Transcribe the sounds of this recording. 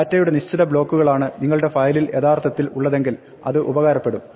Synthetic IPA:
tːɐjuɽe̞niɕt͡ɕːiðɐbɭo̞ːkːuɣɐɭaːɳɨniŋːɐɭɽe̞fɐjlile̞t̪aːrt̪ʰɐt̪ːilṵɭːɐðe̞ŋɡil | ɐ̰ðɨʔubɐɣaːɾɐpːe̞ɽum

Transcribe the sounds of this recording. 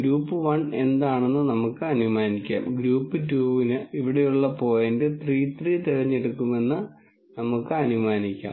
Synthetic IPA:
ɡɾuːpːɨʋɐɳe̞nd̪aːɳe̞nːɨnɐmukːɨɐnumaːnikʲːa̰ːmɡɾuːpːɨtuːʋinɨiʋiɽe̞juɭːɐpo̞ːjendet̪riːt̪rit̪iɻɐɲːeɽukːume̞nːɨ | nɐmukːɨɐnumaːnikʲːa̰ːm

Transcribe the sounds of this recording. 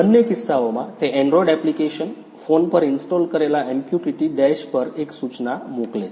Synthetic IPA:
bənjəkisːaʋomat̪eʔɛɳɖɾɔiɖɛplikeɕən | fonpəɾinsʈɔlkəɾelaʔemkjuʈiʈiɖ̪ɛɕpəɾeksut͡snamokle

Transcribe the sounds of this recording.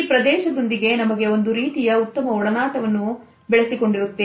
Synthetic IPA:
pɾɐd̪ɛːʃɐd̪o̞nd̪iɡe̞nɐmɐɡe̞o̞nd̪uɾiːt̪ijɐut̪ːɐmɐɔɭɐnaːʈɐʋɐnːu | bɛɭesiko̞ɳɖiɾut̪ːe

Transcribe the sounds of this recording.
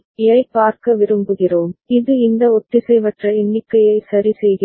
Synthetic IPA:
ɪjɐɪpaːɾkɐʋɪɾɯmbɯɣɪroːmɪðɯɪnd̪ɐɔʈːɪsɛjʋɐʈrɐɪnːɪkːɐjɐɪsɐɾisɛjɣɪ

